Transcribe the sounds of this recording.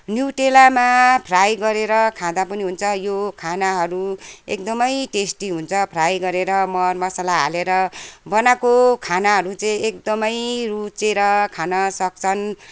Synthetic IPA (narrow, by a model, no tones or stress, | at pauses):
njuʈelamapʰrajɡʌɾeɾʌkʰãd̪apʌniɦunt͡sʰʌjokʰanaɦʌɾuek̚d̪ʌmʌjʈesʈiɦunt͡sʰʌpʰrajɡʌɾeɾʌmʌrmʌsalaɦa̰leɾʌbʌnakokʰanaɦʌɾut͡saĩek̚d̪ʌmʌjrut͡seɾʌkʰanʌsʌk̚t͡sʰʌn